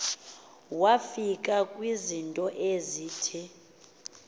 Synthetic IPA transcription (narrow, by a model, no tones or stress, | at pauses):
wafikʼakʼwizintʼɔʔeziːtʰi